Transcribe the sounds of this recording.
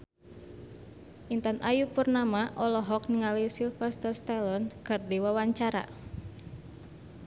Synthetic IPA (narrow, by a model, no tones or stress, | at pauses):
ʔint̪anajupurnamaʔɔlɔɦɔk̚niŋalisilfɛst̪ərst̪ɛlɔnkərdiwawaɲt͡ʃaɾa̰